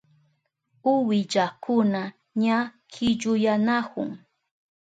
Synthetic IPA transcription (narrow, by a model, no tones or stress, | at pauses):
ʊwɪʎakʰʊna | ɲakʰɪʎʊjanakʊ̰ŋ